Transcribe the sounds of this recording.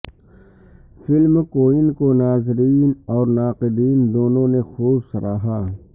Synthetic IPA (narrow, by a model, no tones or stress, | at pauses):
fɪlmkoːɪnkonaːzɾiːnɔːɾnaːqɪd̪iːnd̪oːnõnexuːbsɐɾaːɦaː